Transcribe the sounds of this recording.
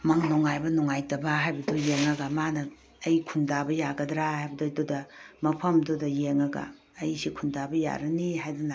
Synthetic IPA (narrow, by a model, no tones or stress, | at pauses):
maŋnoŋajbɐnoŋajtɐbaɦajbɐdojeŋɐɡɐmanɐː | jkʰundabɐjaɡɐdɾahajbɐdododɐmɐpʰɐmdodɐjeŋɐɡɐ̰ː | jsikʰundabɐja̰ɾɐniɦajdɐna